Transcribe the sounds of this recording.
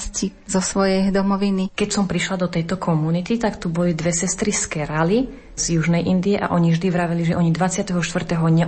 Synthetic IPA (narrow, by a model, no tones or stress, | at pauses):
scizɔsʋɔjɛjd̪ɔmɔʋinikɛcsɔmpɾiʃlad̪ɔt̪ɛjt̪ɔkʰɔmunit̪it̪akt̪ubɔlid̪ʋɛsɛst̪ɾiskɛɾali | z̥juʒnɛjʔind̪iɛʔa̰ʔɔɲivʒd̪iʋɾaʋɛliʒɛʔɔɲid̪ʋat͡sɪat̪ɛɦɔʃt̪ʋr̩t̪ɛɦɔɲɛ